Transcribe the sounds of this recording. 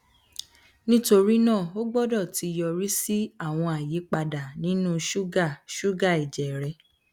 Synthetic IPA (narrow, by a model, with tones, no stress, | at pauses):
nĩ˦to˧ɾi˦nãː˦˨o˦ɡ͡bɔ˦dɔ˦˨ti˧jɔ˧ɾi˦si˦a˦˨w̃ɔ̃˧a˨je˨˦k͡pa˧da˨nĩ˨˦nũ˦ʃu˦ɡa˦˨ʃu˦ɡa˦˨i˨d͡ʒɛ˨ɾɛ˧